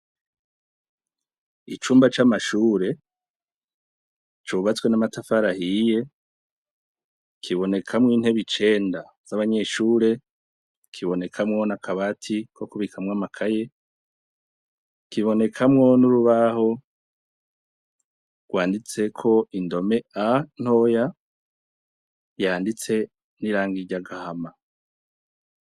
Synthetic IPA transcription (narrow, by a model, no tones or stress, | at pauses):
it͡ʃuːmbat͡ʃamaʃuːɾe̞ | t͡ʃuβat͡swe̞namatafaɾahije̞ | kʰiβo̞ne̞kʰamŋiːn̥he̞βit͡ʃe̞ːnda | z̥aβaɲe̞ʃuːɾe̞ | kʰiβo̞ne̞kʰamŋo̞nakʰaβatʰiko̞kuβikʰamŋamakʰaje̞ | kiβo̞ne̞kʰamŋo̞nuɾuβaho̞ | ɡ̥waːndit͡se̞kʰo̞indo̞me̞an̥ho̞ja | jaːndit͡se̞ | niɾaːŋɡiɟaɡahama